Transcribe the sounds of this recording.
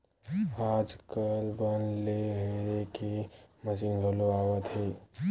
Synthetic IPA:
aːd͡ʒkəlbənleɦeɾekeməsinɡʱəloaːwət̪ɦeː

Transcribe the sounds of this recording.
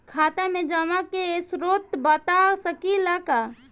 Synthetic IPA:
kʰaːt̪amẽd͡ʒamakesɾot̪bət̪asəkilaka

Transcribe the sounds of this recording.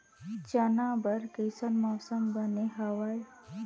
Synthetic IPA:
t͡ʃənabəɾkəjsənmɔːsəmbəneɦəʋaj

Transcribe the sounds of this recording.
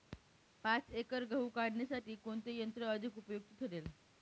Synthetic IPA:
pat͡sekəɾɡʱəwkaɽɳesaʈiːkoɳt̪ejənt̪ɾəəd̪ʱikupəjoɡ̚t̪ət̪ʰəɽel

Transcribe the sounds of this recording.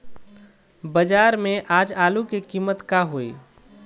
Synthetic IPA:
bəd͡ʒaːɾmẽʔaːd͡ʒaːlukekiːmət̪kaɦoḭː

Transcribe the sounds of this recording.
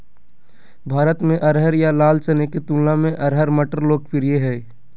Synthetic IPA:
bʱaːɾət̪mẽʔɐɾɦəɾjalaːlt͡ʃəneket̪ũːllãmẽʔɐɾɦəɾməʈəɾloːɡpʰɪɾijeɦɛː

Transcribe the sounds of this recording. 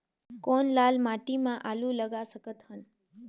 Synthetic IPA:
konlalmaʈimãʔalũləɡasəkət̪ɦən

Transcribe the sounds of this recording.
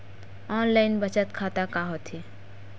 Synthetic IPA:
ɔːnlaɪnbət͡ʃət̪kʰat̪akaɦot̪ʰi

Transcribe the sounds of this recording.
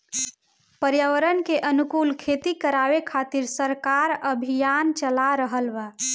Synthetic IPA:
pəɾjəʋəɾənkeʔənukulkʰet̪ikəɾaʋekʰat̪iɾsəɾkaɾəbʱijant͡ʃəlaɾəɦəlbə

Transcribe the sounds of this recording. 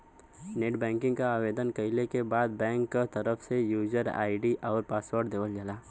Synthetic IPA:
neːʈbɛ̃ːŋkɪ̃ŋɡkaaːʋeːd̪ənkɐɪlekebaːd̪̚bɛ̃ːŋkːat̪ɐɾəfsejuːd͡ʒəɾa̰ːɪɖiʔɔːɾpaːswəɾʈd̪eːʋəld͡ʒalaː

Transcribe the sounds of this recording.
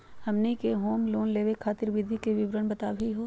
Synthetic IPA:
hɐmnikeɦoːmloːnleːʋekʰaːt̪ɪɾʋɪd̪ʱikeʋɪʋɾənbɐt̪aːbʱiɦoː

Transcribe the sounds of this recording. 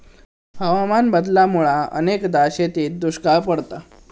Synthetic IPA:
ɦəʋamanbəd̪lamuɭaə̰nekd̪aɕet̪iːt̪̚d̪uɕkapəɽt̪a

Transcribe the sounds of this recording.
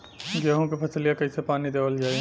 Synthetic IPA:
ɡəɦõkipʰɐsəlijakɐisepaːnid̪eːʋəld͡ʒaːi

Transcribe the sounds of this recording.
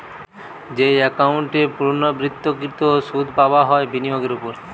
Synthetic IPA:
d͡ʑeɛkauɳʈepuɾnobɾit̪ːokit̪osud̪ʱpabaɦɔebinijoɡeɾupoɾ

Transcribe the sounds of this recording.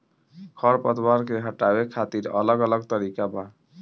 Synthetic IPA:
kʰʌɾpəd̪waɾkeɦəʈabekʰat̪iɾʌ̰ləɡələɡt̪əɾikaba

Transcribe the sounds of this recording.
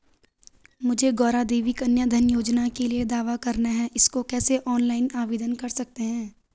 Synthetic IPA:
mʊd͡ʒʱeɡɔːɾad̪eːʋikɐnjəd̪ʱənjoːd͡ʒnakelied̪aːʋakɐɾnaɦɛɪskokɛːseʔɔːnlaːɪnaːʋeːd̪ənkɐɾsɐk̚t̪eɦɛ̃ː

